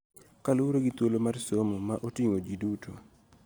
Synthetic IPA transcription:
kaluɾoɡit̪wolomarsomomaʔotiŋod͡ʒidutʰo

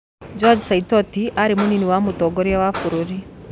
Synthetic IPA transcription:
d͡ʒɔd͡ʒsait̪ɔt̪iʔaɾimuniniwamut̪ɔɡɔɾjawafuɾuɾi

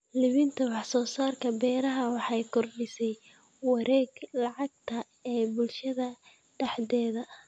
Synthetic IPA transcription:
lɪβɪnt̪ʰɐwɑħsɔːsaːrkʰɐbɛːɾɐɦɐwɑħɑjkʰɔrɖɪsɛj | wɑɾɛːɡlɑʕɑɡ̚t̪ʰɐ | ɛːbʊlʃɐðɐ | d̪̥ɑħd̪ɛːðɐ

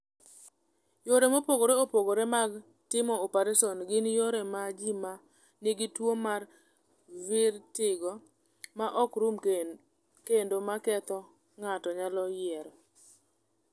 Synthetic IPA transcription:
joɾemopoɡoɾeopoɡoɾemaɡ | tɪmɔopaɾesɔnɡɪnjoɾemad͡ʒima | niɡitwomar | vɪɾtɪɡɔ | maʔɔkɾum | kendomakɛt̪ɔ | ŋatɔɲalɔjɪɛɾ

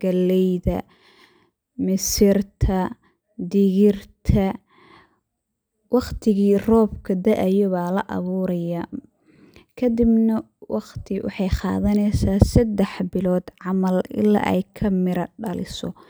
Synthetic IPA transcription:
ɡ̥ɐlɛjðɐ̰ | mɪsɪrt̪ʰɐ | d̪ɪɣɪrt̪ʰɐ | wɑqt̪ʰɪɣiːrɔːbkʰɐd̪ɐʔɐjɔβaːlɐ̰ʔɑ̰βuːɾɐja | kʰɐd̪ɪbnɐ | wɑqt̪ʰɪwʔɑ̰ħɑjχɑ̰ːðɐnɛjsaːsɐd̪ːɛħbɪlɔːd̪ʕɑmɐlɪ̰lːa̰ːʔɛ̰jkʰɐmɪɾɐɖɐlɪ̰sɔ̰

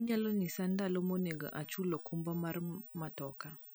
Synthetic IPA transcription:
ɲalɔnisandalɔmɔneɡɔ̰ʔat͡ʃulɔkumbamaɾmatɔka

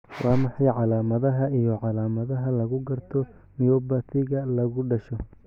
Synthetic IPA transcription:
wɑːmɑħɑjʕɑlaːmɐðɐɦɐʔijɔʕɑlaːmɐðɐɦɐlɐɣʊɡɐrt̪ʰɔ | mɪjɔːbɐt̪ʰɪɣɐlɐɣʊɖɐʃɔ

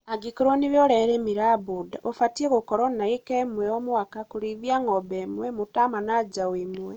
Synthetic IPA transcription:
aɡikoɾoniβjoɾeɾeːmiɾaβudaʔofatieɣukoɾonaikemweomuwakakuɾiðjaŋobemwemutamanad͡ʒawimwe

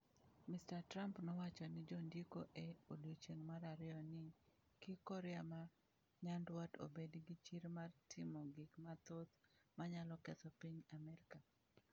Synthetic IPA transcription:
mɪstatrampnɔwat͡ʃɔnɪd͡ʒondikoʔeodot͡ʃeŋmaɾaɾɪɔnɪ | kɪkɔɾɪama | ɲandwato̰bedɡɪt͡ʃiɾmartʰɪmɔɡɪkmat̪ot̪maɲalɔkɛt̪ɔpiɲamɛɾɪka

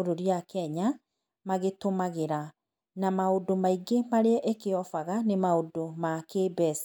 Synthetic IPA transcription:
ɾoɾiakɛɲa | maɣetomaɣeɾa | namaodomaiɡemaɾeɛʔekeɔfaɣanemaodomakeːbɛs

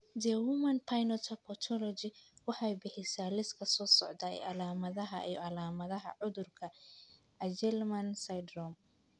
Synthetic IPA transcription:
d̪ɛwʊmɐnpʰajnɔt̪ʰɐpʰɔt̪ʰɔlɔd͡ʒɪwɑħɑjbɪħɪsaːlɪskʰɐsɔːsɔʕd̪aɛ̰ʔɑlaːmɐðɐɦɐʔḭːɔʔɑlaːmɐðɐɦɐ̰ʕʊðʊrkʰɐ | ʔɐd͡ʒɛlmɐnsajd̪rɔm

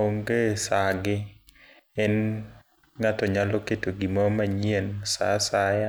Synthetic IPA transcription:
oŋɡesaɡɪ | ɛn | ŋatɔɲaloketoɡimɔmaɲiensa̰saja

